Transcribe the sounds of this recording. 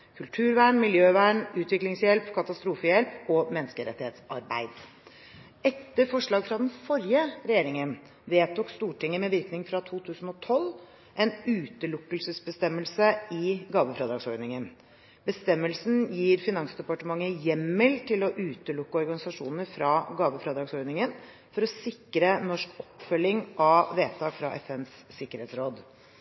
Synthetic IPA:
kʰʉlʈ̪ʰʉːɾʋæːɳmɪljøːʋæːɳʉːt̪ʋɪklɪŋsjɛlpkʰɑt̪ɑst̪ɾuːfəjɛlpɔmɛnːəskəɾɛ̰t̪ːɪheːt̪sɑɾbæ̰ɪd̪ | ɛt̪ːəɾfɔʂɭɑːɡfɾɑd̪ɛnfɔɾjəɾɛjeːɾɪŋən | ʋeːt̪uːkst̪uːʈɪŋːəmɛʋɪɾknɪŋfɾɑt̪ʰuːt̪ʰʉːsn̩ɔt̪ʰɔl | ʔɛnʉːt̪əlʊkːəlsəsbəst̪ɛmːəlsəɪɡɑːʋəfɾɑːd̪ɾɑːɡsɔɾnɪŋən | bəst̪ɛmːəlsn̩jiːɾfɪnɑŋsd̪ɛpɑʈəmɑŋːəjɛmːəlt̪ʰɪlɔʔʉːt̪əlʊkːəɔɾɡɑnɪsɑʂuːnəɾfɾɑɡɑːʋəfɾɑːd̪ɾɑːɡsɔɾnɪŋən | fɔɾɔsɪkɾənɔʂkɔpːfœlːɪŋʔɑʋeːt̪ʰɑːkfɾɑ̰ʔɛfɛnsːɪkːəɾheːt̪sɾoːd̪

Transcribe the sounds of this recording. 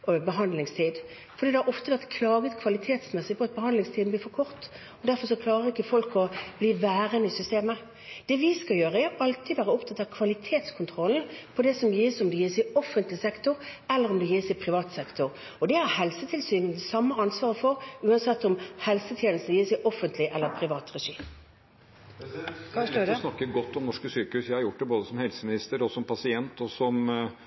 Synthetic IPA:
bəɦɑnd̪lɪŋst̪ʰiːd̪ | fɔʁd̪iːd̪ɛhæɾɔft̪əʋæɾt̪kʰlɑːɡət̪kʰʋɑlɪt̪ʰeːt̪smɛsɪpɔɑt̪̚bəhɑnd̪lɪŋst̪ʰiːd̪n̩b̪liːfɔɾkʰɔɾt̪ | ɔd̪æɾfɔɾʂɔkʰlɑːɾəɾɪkːəfɔlkɔb̥liːʋæːɾənəɪsʏst̪eːmə | d̪̥ɛʋɪskɑljøːɾəɛɔʔɑlt̪id̪ʋæːʁəɔpt̪ʰɑt̪ːɑʋkʰʋɑlɪt̪ʰeːt̪skʰʊnt̪ʰʁɔln̩pʰɔd̪ɛsɔmjiːsɔmd̪ɛjiːsɪɔfənt̪lɪsɛkt̪ʊɾɛlːəɾɔmd̪ɛjiːsɛɪpʰɾɪʋɑːt̪sɛkt̪ʊʁ | ɔd̪ɛhæɾhɛlsət̪ʰɪlsyːnənsɑmːəɑnsʋɑːɾəfɔɾʉːɑnsɛt̪ːɔmhɛlsət̪ʰjeːnl̩st̪n̩jiːsɛɪʔɔfənt̪ʰlɪʔɛlːəpʰɾɪʋɑːt̪ɾɛʂiːm | snɑkːəɡɔt̪ːɔmnɔʂkəsyːkəhʉːsjæɪhɑɾjʊʈ̚ːd̪ɛboːd̪əsɔmhɛlsəmɪnɪst̪əɾɔsɔmpʰɑsɪɛnt̪ɔsɔm

